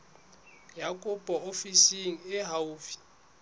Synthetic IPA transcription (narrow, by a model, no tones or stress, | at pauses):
jakʼupʼɔofisiŋ̩ɛɦauːfi̥